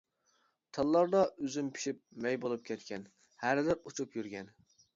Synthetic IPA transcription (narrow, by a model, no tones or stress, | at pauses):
t̪ʰɑlˠːɑɾd̪ɑøzympʰi̥ʃip̚mɛjbolˠup̚kʲʰɛt̪kʲʰɛn | hæɾlɪɾut͡ʃʰupjyɾɡʲɛn